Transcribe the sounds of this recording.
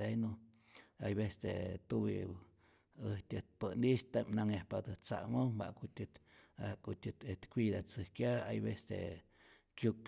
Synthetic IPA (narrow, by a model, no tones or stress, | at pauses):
eno | ajβest̪ḛt̪uβḭ | əht̪ʲət̪̚pənist̪amnaŋjahpad̪ɨt͡sa̰moba̰ʔkut̪ʲɨt̪akut̪ʲɨt̪et̪kʷid̪at͡sɨhkjaa̰jbest̪ḛ | kjuk